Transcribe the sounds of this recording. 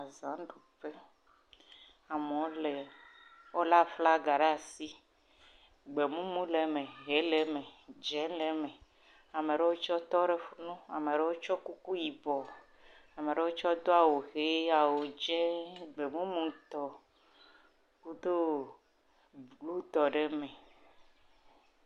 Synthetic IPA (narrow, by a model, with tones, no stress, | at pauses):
a˨zã˨˦ɖo˨ɸe˦ | a˨me˨wo˦lɛ˨wo˦la˦fla˦ɡa˨ɖa˦˨si˦ | ɡ͡be˨mũ˦mũ˦le˨mẽ˨ɦe˨˦le˨mɛ̃˨d͡ʒɛ˨˦lɛ˨˦mɛ̃˨ | a˨me˨ɖe˦wo˦t͡ʃɔ˦t̪ɔ˦ɖe˦fu˦nũ˦a˨me˨ɖe˦wo˦t͡ʃɔ˦ku˦ku˦ji˨bɔ˨ | a˨me˨ɖe˦wo˦t͡ʃɔ˦d̪o˦a˨wo˨xe˨˦a˨wo˨d͡ʒɛ˦ɡ͡be˨mũ˦mũ˨t̪ɔ˨ | ku˦d̪o˦ | lu˦t̪ɔ˨ɖe˦mɛ̃˨